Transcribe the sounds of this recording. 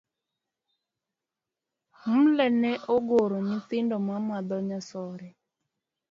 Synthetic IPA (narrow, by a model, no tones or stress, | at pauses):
m̩lɛnɛʔoɡoɾonit̪ɪndɔmamad̪ɔɲasɔɾɛ